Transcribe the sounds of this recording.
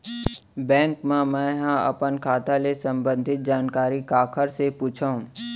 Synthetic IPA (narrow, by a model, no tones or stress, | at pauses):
bɛ̃ːŋkmãmɛ̃ːɦãɐ̰pənkʰaːt̪alesə̃mbə̃nd̪ʱɪt̪̚d͡ʒaːnkaːɾikaːkʰəɾsepuːt͡ʃʰaũ